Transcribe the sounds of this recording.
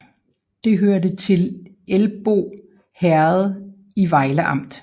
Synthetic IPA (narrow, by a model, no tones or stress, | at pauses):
d̥e̝ɦøɐdət͡sʰe̝l | elb̥o̝̰ː | hæɐð̞̩ˠ | iʋɑ̈ɪləʔɑ̈m̰d̥